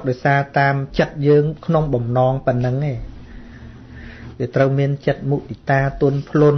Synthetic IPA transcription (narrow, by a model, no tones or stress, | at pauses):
k̚ɗaɔjsaːt̪aːmt͡ɕət̪̚jəːŋkʰnoŋɓɑmnɑːŋpə̆ənːɨŋeː | ʋiət̪rəwmiənt͡ɕət̪̚muɗit̪aːt̪ʊ̆ənpʰlŭən